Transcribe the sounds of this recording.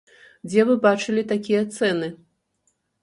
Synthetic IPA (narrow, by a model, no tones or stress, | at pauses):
d͡zʲɛvɨbat͡ʂɨlʲit̪akʲijɐt̪sɛnɨ